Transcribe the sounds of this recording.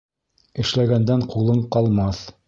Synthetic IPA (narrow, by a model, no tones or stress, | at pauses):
ɘ̆ʃlæɡænd̪æɴqulˠɤɴqɑlˠmɑθ